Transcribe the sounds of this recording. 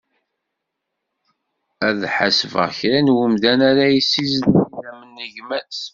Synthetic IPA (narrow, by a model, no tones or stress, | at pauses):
æðħasvə̰ʁçɾænwəmðænaɾajisːizniðæmənːəʝmæt͡s